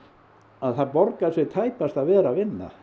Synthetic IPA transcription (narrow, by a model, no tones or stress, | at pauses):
aðθaɾpɔɾkaðsvɛt̪ʰaːjpast̪aðvɛːɾavɪnːa̰